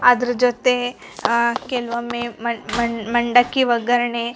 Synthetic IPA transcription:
ɐd̪ɐɾɐd͡ʒot̪e | kelʋɐmeɐmɐɳɖɐkːiʋɐɡɐɾɐɳe

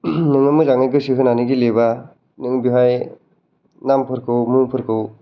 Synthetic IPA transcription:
nɯŋɯmɯzaŋɯjɡɯsɯɦɯnaniɡileba | nɯŋbiɦaj | nampʰɯɾkʰɯwmuŋpʰɯɾkʰɯw

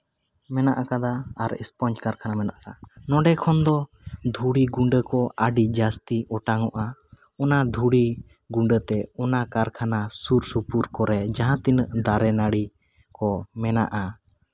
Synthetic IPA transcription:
mɛnaʔakad̪aaɾɛ̰spɔnt͡ʃkaɾkʰanamɛnaʔakanɔ̃ɖɛkʰɔnd̪ɔ | d̪ʱuɽiɡuɳɖəkɔaɖid͡ʒast̪iɔʈaŋɔʔa | ɔnad̪ʱuɽi | ɡuɳɖət̪ɛɔnakaɾkʰanasuɾsupuɾkɔɾɛd͡ʒaɦãt̪inəʔd̪aɾɛnaɽi | kɔmɛna̰ʔa

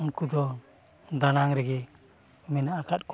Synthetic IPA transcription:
uŋkud͡ʒɔ | d̪anaŋɾɛɡɛ | mɛnaakʰat̪̚k

